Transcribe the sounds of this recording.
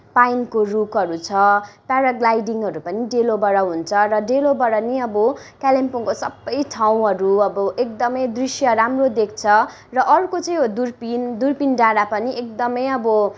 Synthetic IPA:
pajnkorukʌɾut͡sʰʌpaɾʌɡlajɖiŋɦʌɾupʌniɖelobʌɽʌɦunt͡sʰʌrʌɖelobʌɽʌniʌbʌkalempoŋkosʌbːʌjʈʰaw̃ɦʌɾuʌbʌʔek̚d̪ʌmʌjd̪risjʌɾamrod̪ek̚ʰt͡sʰʌ | rʌʔʌɾukot͡sʌ̃j̃d̪urpind̪urpinɖaɽapʌniʔekd̪ʌmʌjʌbʌ

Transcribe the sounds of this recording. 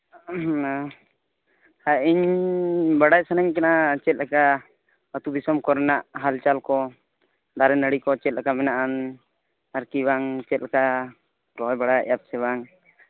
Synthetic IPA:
aiɲ | baɽaj̚sanɛɲkɛnat͡ʃɛt̪̚lɛka | ət̪ubisɔmkɔɾɛnaʔɦalt͡ʃalkɔ | d̪aɾɛnəɽikɔt͡ʃɛt̪̚lɛkamɛnaʔan | aɾkibaŋt͡ʃɛt̪̚lɛka | ɾɔjbaɽajap̚sɛβaŋ

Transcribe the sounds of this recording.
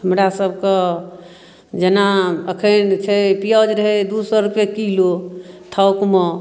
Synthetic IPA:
həmɾasəbʱke | d͡ʒenaəkʰənt͡ʃʰɛpijɔd͡ʒɾəɦɛd̪usɔɾupjekilot̪ʰəʊkmə

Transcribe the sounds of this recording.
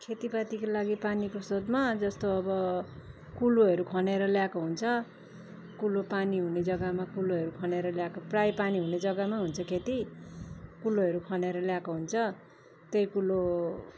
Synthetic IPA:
kʰet̪ipat̪ikolaɡipanikosod̪mad͡zʌst̪oʌbʌ | kuloɦʌɾukʰʌneɾʌljakoɦunt͡sʰʌ | kulopaniɦuned͡zʌɡamakuloɦʌɾukʰʌneɾʌljakoprajpaniɦuned͡zʌɡamaɦunt͡sʰʌkʰet̪i | kuloɦʌɾukʰʌneɾʌljakoɦunt͡sʰʌ | t̪ʌjkulo

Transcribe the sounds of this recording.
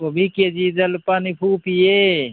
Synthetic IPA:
kobʱiked͡ʒid̪əlpaːnipʰupije

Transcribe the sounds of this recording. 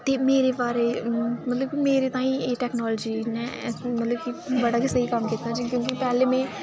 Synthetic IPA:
t̪eːmeːɾebaːɾeːmət̪ləb̚kimeːɾeːt̪ãːĩːeːʈɛːknɔːlːd͡ʒiːnɛ̃ːmət̪ləb̚kibəɽaːkisəɦikəmkit̪nãːd͡ʒikjõːkipɛːlẽːmẽː

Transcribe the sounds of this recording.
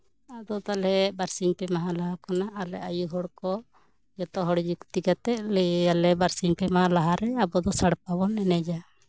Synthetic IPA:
ad̪ɔt̪alɦɛbaɾsiŋpɛmaɦãlaɦakanaʔːlɛʔajuɦɔɽkɔ | jɔt̪ɔɦɔɽd͡ʒukt̪ikat̪ɛʔ̚lɛalɛbaɾsiŋpɛmaɦãlaɦaɾɛabɔd̪ɔsaɽpabɔnɛnɛd͡ʒa

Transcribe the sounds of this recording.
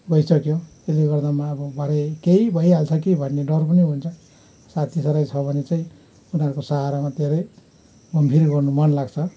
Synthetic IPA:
ɡʌjsʌkjo | eleɡʌrd̪amaːbʌbʱʌɾekeibʱʌjɦalt͡sʰʌkibʱʌnːeɖʌrpʌniɦunt͡sʰʌ | sat̪ʰisʌɾajt͡sʰʌbʱʌnet͡saĩ | unɦaɾukosaɦaɾamad̪ʱeɾʌj | ɡʌmbʱirɡʌrnumʌnlaɡt͡sʰʌ

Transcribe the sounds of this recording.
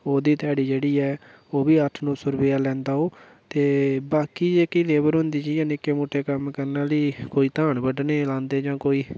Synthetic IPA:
oːd̪iːt̪ɛːɽiːd͡ʒeːɽiːɛː | oːbiːəʈʰnõːsʊɾbeːaːlɛ̃ːnd̪aːoː | t̪eːbaːkiːd͡ʒeːkileːbəɾɦʊ̃nd̪iːd͡ʒiːjãːnɪkːeːmoːʈʰeːkəmkəɾnaːləiːkoːiːt̪ãːɳbəɖneːlãːnd̪eːd͡ʒãːkoːiː

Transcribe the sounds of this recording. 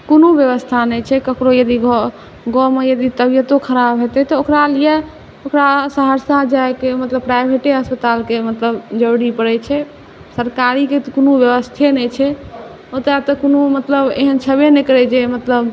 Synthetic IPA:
konubjəβəst̪ʰanɛt͡ʃʰɛkəkɾojəd̪iɡ | ɡɔmejəd̪it̪əbijət̪okʰəɾabɦet̪ɛt̪ɔokɾalijɛ | okɾasaɦəɾsad͡ʒaekemət̪ləbpɾajbʱeʈeəspət̪alkemət̪ləbd͡ʒəɾɽipəɾɛt͡ʃʰɛ | səɾkaɾikekonubjəʋəst̪ʰenɛt͡ʃʰɛ | ot̪at̪ɔkonomət̪ləbḛɦənt͡ʃʰəbenekəɾɛd͡ʒemət̪ləb

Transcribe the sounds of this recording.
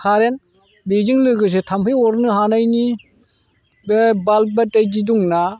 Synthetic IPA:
kʰaɾen | bed͡ʒiŋlɯɡɯs̬etʰampʰɯjɔɾnɯhanajni | bebalbatajd͡ʒiduŋna

